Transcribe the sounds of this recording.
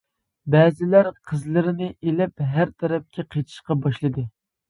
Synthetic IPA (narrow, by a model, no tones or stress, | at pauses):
bɛːzɪlæɾqʰəzlˠɨɾɪnɨʔelɛpɦæɾt̪ʰɛɾɛp̚kʲʰɛqʰet̪ʰɪ̥ʃqɑbɑʃlˠɨd̪ɨ